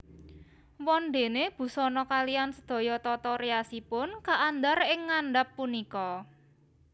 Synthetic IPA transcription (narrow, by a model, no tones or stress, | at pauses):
wɔnd̪e̤neb̥ṳsɔnɔkaliansəd̪̥ɔ̤jɔt̪ɔt̪ɔɾeasipʊnkaʔːnd̪arɪŋːaɳɖapːunikɔ